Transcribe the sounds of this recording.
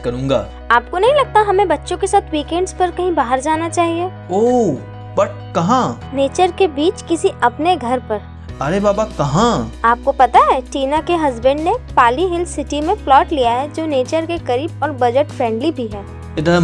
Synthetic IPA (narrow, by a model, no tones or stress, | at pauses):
kɐɾũːŋɡaː | aːp̚konɐɦĩlɐɡ̚t̪aɦɐmẽbɐtːʃõkesaːt̪ʰwiːkɛ̃ːɳɖzpɐɾkɐɦĩbaːɦəɾd͡ʒaːnat͡ʃaːɦieː | oː | bɐʈ̚kɐɦãneːt͡ʃəɾkebiːt͡ʃkɪsiʔɐpneɡʱɐɾpɐɾ | ɐɾebaːbakɐɦãaːp̚kopɐt̪aɦɛːʈiːnakeɦɐzbə̃ɳɖnepaːliɦɪlsɪʈimẽflɔːʈlijaɦɛd͡ʒoːneːt͡ʃəɾkekɐɾiːbɔːɾbɐd͡ʒəʈfɾɛ̃ːɳɖlibʱiɦɛː | ɪd̪ɐ